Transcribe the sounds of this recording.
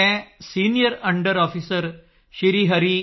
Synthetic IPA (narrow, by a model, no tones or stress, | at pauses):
ɛ̃sinijəɾəɳɖəɾɔfisəɾ | ɕiɾiːɦəɾi